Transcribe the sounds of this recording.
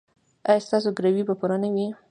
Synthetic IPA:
ɑjɑst̪ɑs̬oɡɾawibapuɾanawi

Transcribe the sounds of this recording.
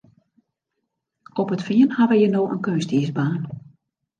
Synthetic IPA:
ɔpətfiənhaʋəjənoːʔə̰nkønstiəsbaːn

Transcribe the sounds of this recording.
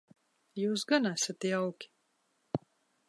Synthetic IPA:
juːs̬ɡanæsat̪jawkʲi̥

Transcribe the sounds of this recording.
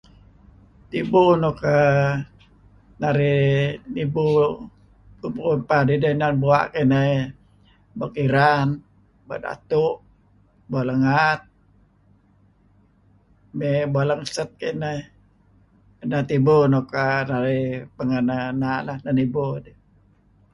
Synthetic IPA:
t̪ibunoka | naɾinibu | upnpadidənabua̰ʔkenə | bakiɾan | ba̰ʔda̰t̪uʔ | bualaŋat̪̚ | mebualəŋsət̪̚kenə | ənat̪ibunokanaɾipəŋənanalahnanibudə

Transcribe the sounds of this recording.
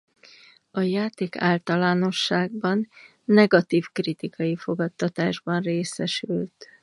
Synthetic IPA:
ɒjaːt̪eːka̰ːlt̪ɒlaːno̞ʃːaːɡ̚bɒnː | ɛɡɒt̪iːfkrit̪ikʰɒjifo̞ɡɒt̪ːɒt̪aːʒbɒnreːsɛʃylt̪

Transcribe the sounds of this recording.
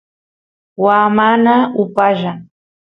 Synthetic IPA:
waːmanaʊpaʒɑ

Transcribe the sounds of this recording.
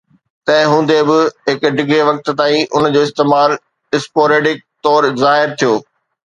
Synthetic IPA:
t̪ɐ̃ɪ̃ɦũːn̆d̪ebɪɦɪkɖɪɡɾeʋɐk̚t̪t̪aːĩʔʊnd͡ʑoːɪst̪eːmaːl | ɪspoːɾeːɖɪk̚t̪ɔːɾzaːɦɪɾt̪ʰijoː

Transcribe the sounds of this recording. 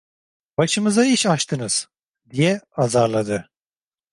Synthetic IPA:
baʃɯmɯzaiʃaʃt̪ʰɯnɯz̥ | d̪ijɛazaɾlˠad̪ɯ

